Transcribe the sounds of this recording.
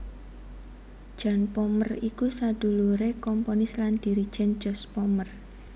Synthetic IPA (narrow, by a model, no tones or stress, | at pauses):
d̥ʒ̥a̤npɔmərikusad̪̥ṳluɾekɔmponɪsland̪̥i̤ɾid̥ʒ̥ɛn̥ʒ̥ɔspɔmər